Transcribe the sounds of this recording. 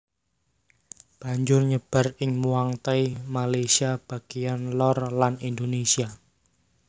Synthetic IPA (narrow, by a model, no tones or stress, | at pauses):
b̥a̤ɲd͡ʒʊrɲəb̥a̤rɪŋmuaŋt̪aimalesiab̥a̤ɡ̥ijanlɔrlanind̪onesia